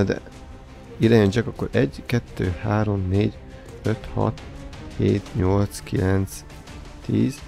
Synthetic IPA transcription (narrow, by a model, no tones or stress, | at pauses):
d̪ɛ̰ | iɾaːɲoɲt͡ʃɛkɒkːoɾɛɟkɛt̪ːøːhaːɾo̞mneːɟ | øt̪hɒ̰t̪heːt̪ɲolt̪skilɛnt̪s | t̪iːz̥